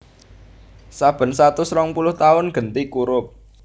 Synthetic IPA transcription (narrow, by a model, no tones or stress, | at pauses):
sab̥ə̤nsat̪ʊsɾɔŋpulʊht̪aʊnɡ̥ə̤nt̪ikuɾʊp̚